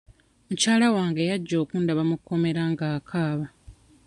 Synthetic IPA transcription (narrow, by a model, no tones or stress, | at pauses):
mucaːlawaːŋɡe̞jaɟːo̞ːkuːndaβamukʰːo̞me̞ɾaŋɡaːkʰaːβa